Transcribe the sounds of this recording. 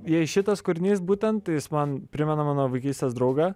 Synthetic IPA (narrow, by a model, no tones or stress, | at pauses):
jɛɪʃʲɪt̪ɐskʊɾʲɪnʲeːsbuːt̪ʲɛnt̪t̪ɐɪjɪsmɐnpʲɾʲɪmʲɛnɐmɑːnoːʋɐɪkʲiːsʲt̪ʲɛːsd̪ɾɐʊɡɑ